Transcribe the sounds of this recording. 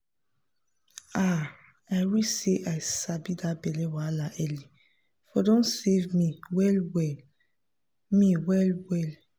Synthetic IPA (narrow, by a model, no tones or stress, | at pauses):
a | aɪɹiseʔajsabidabɛlɛwalaʔɛli | fɔdõnsevmiwɛlwɛ | miwɛlwɛl